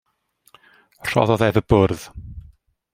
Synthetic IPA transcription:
r̥ɔ̰ðɔðɛvəb̥ʊrð

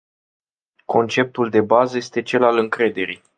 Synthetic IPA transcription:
kʰo̞nt͡ʃe̞p̚t̪uld̪e̞bazəje̞st̪e̞t͡ʃe̞lalɨŋkɾe̞d̪e̞ɾḭ

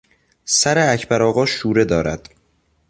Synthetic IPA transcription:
sæɾeæcʰbæɾɒːɣɒːʃuːɾe̞d̪ɒːɾæd̪̥

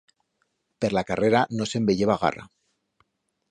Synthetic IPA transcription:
peɾlakareɾanosembeʎeβaɣ̞a̰ra̰

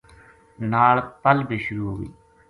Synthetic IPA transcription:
naːɭpəlbiːʃʊɾuːɦoːʋḭː

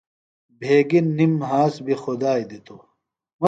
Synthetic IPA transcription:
bʱeːɡinːimɦaːsbʱixud̪aːjd̪it̪o | mɐ

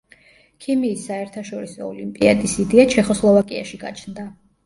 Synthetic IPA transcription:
kʰimiːsːaɛɾt̪ʰaʃɔɾisɔɔlimpʼia̰d̪isid̪ɛat͡ʃʰɛχɔslˠɔvakʼia̰ʃiɡa̰t͡ʃʰnd̪a

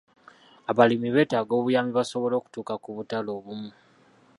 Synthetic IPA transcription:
aβalimiβe̞ːtaɡo̞ːβujaːmiβaso̞βo̞lo̞ːku̥tuːkakuβutalo̞ːβumu

